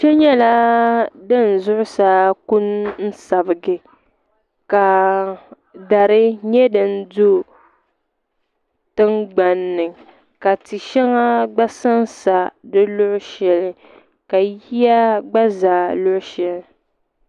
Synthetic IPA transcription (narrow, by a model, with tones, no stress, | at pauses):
t͡ʃɛ˦ɲɛ˦la˦dɨ˦˨n̩˨zʊ˦ʔʊ˦sa˦ku˦nn̩˦sa˨bɨ˨ɡɨ˨ | ka˨ | da˨ɾɨ˦ɲɛ˦dɨ˨n˦du˦ | tɨ˦ŋɡ͡ba˨nːɨ˨ŋ | ka˨ti˨ʃɛ˦ŋa˦ɡ͡ba˦sa˦n˦sa˨dɨ˦lʊ˦ʔʊ˦ʃɛ˨lɨ˦ | ka˨ji˦a˦ɡ͡ba˦zaː˨lʊ˦ʔʊ˦ʃɛ˨lɪ˨